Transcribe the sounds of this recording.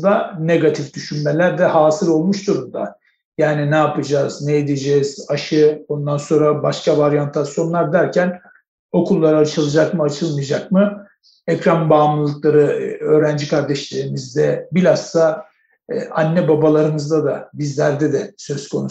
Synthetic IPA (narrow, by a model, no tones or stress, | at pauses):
d̪aneɡat̪ʰifd̪yʃynme̞lʲæɾd̪ɛhaːsɯɾo̞lˠmuʃd̪uɾumd̪a | jaːninɛapɯd͡ʒaːznɛjed̪ed͡ʒɛz̥aʃɯo̞nd̪anso̞nɾabaʃkavaɾjant̪ʰasijo̞nlˠaɾd̪æɾcʰæn | o̞kʰulˠːaɾaat͡ʃʰɯlˠɯd͡ʒakmɯat͡ʃʰɯlˠmɯjad͡ʒakmɯ | ɛcɾanbaːmlˠɯlˠɯklˠaɾɯø̞ːɾænd͡ʒikʰaɾd̪ɛʃlʲe̞ɾimizd̪ɛbilʲast̪a | anːɛbabalˠaɾɯnɯzd̪ad̪abizlʲæɾd̪ɛd̪ɛsø̞skʰo̞nu